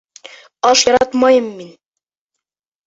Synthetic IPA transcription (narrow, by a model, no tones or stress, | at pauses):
ɑʃjɒɾɑt̪mɑjɤmːin